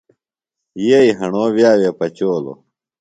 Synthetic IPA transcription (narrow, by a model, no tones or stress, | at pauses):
jeiɦɐɳoːʋjaːwjeːpɐt͡ɕoːlo̰